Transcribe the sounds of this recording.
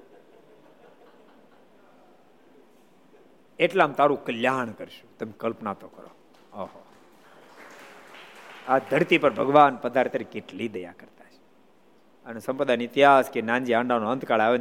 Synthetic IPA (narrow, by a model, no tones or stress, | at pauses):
eʈlamt̪aɾũkəljaɳ̃kəɾʃu̥t̪əmekəlpnat̪okəɾo̰ | oɦo | ad̪ʱəɾt̪ipəɾbʱəɡʋanpəd̪ʱaɾt̪əɾikeʈlid̪əja̰kəɾt̪ḁt͡ʃʰe̥ | ənesəmpəd̪anɪt̪iɦaskenãnd͡ʒiaɳɖanoənt̪kaɭaʋe